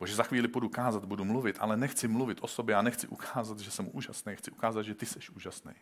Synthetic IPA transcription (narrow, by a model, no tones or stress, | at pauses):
boʒɛzaxviːlɪpodukaːzad̪̚budumluvɪt̪ʔa̰lɛnɛxt͡sɪmluvɪt̪ʔo̞sobjɛanɛxt͡sɪʔukʰaːzad̪ʒɛsɛmuʔuːʒasnejxt͡sɪukaːzad̪ʒɛt̪ɪsɛʃʔuːʒasnɛ̰j